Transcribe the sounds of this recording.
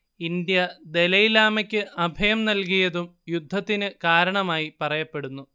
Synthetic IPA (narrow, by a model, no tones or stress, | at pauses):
ind̪jɐd̪e̞lɐjilaːmɐkʲːɨʔɐbʱɐjɐmnɐlk̬ijɐðumjud̪ʱːɐt̪ːinɨkaːɾɐɳɐmaːjipɐrɐjɐpːe̞ɽunːu